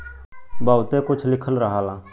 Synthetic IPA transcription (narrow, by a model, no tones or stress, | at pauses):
baːʊt̪ẽkʊt͡ʃʰlɪkʰəlɾəɦaːlãː